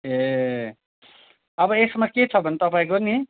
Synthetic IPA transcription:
ɦe | ʌbʌesmaket͡sʰʌbʱʌnet̪ʌpaĩkoni

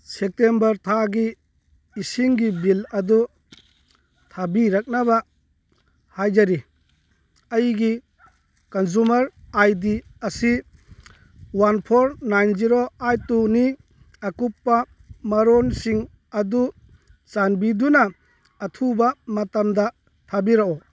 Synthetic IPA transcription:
sek̚tembɐɾtʰaɡiː | siŋɡibilɐd̪ɔ | tʰabiɾak̚naβa | hajd͡ʒaɾi | ɐjɡi | kɐnzumɐɾajdiɐsi | wanpʰɔɾnajnziɾoajtuni | akupːa | maɾɔnsiŋ | ad̪u | t͡ʃanbidunaː | tʰubamatamd̪a | tʰabiɾaɔ

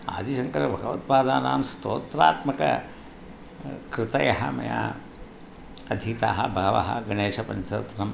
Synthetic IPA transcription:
a̰ːd̪iʃɐŋkɐɾɐbʱɐɡɐʋɐt̪̚paːd̪aːnaːmst̪oːt̪ɾaːt̪mɐkɐ̰ | kɾɪt̪ɐjɐɦɐ̰mɐ̰ja̰ː | ɐd̪ʱit̪aːɦɐbʱɐʋɐ̰ɦɐ̰ɡɐɳeːʃɐpɐnt̪ɐɾt̪ɐnɐm

